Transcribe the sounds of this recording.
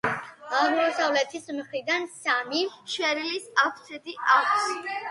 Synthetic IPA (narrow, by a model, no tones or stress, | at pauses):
amɔmɔsavlɛt̪ʰismχɾid̪ansamiʃwɛɾilisafʰt̪sʰɛd̪iʔaks